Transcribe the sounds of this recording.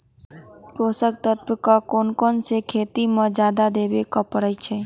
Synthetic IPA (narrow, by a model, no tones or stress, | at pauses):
pɾosək̚t̪ət̪bəkakoːnkɔnsekʰeːt̪imə̃d͡ʒjaːd̪ad̪eʋekəpəɾəjt͡ʃʰe